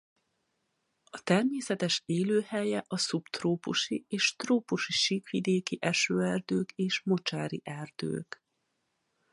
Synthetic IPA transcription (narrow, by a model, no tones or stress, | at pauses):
ɒt̪ɛrmeːsɛt̪ɛʃeːløːhɛjɛʔɒsupt̪roːpuʃieːʃt̪roːpuʃiʃiːkʋid̪eːkiʔɛʃøːɛrd̪øːkeːʃmot͡ʃaːɾḭʔɛrd̪̥ø̰ːk